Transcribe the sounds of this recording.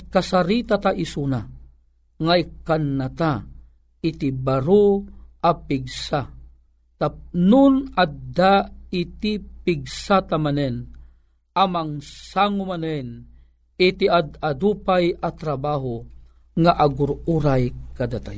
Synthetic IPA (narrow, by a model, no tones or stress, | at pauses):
kasaɾit̪at̪aʔisuna | ŋaikːanːat̪a | it̪ibaɾuʔapiɡsa | t̪anʊnad̪ait̪ipiɡ̚sat̪amanɛn | amaŋsaŋʊmanɛn | it̪iad̪ad̪upajʔat̪ɾabaːɦo | ŋaʔaɡʊɾuɾajkad̪at̪aj